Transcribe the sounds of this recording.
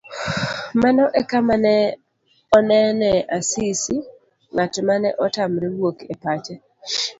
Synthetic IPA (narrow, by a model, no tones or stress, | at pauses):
manɔʔɛkamanɛ | ɔnɛnɛʔasisi | ŋatmanɛ̰ʔɔtamɾiwwokepat͡ʃɛ